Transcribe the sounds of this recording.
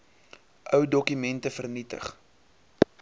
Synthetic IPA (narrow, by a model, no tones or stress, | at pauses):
ʔœwdɔkymɛntəfərnitə̰χ